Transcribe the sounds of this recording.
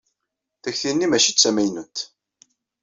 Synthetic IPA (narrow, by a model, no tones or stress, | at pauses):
θæçθinːimæʃit͡sːæmæjnunt̪